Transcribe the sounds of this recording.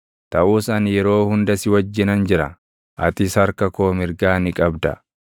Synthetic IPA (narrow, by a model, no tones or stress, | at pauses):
t̪ɐʔuːsɐnjɛɾo̞ːhʊnd̪ɐsɪwɐd͡ʒːɪnɐnd͡ʒɪɾɐ̰ | ʔɐt̪ɪshɐɾkɐko̞ːmɪɾɡaːnɪkʼɐbd̪ɐ̰